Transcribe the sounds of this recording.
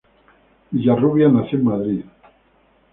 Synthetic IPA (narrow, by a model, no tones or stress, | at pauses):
jaruβjanaθimːaðɾi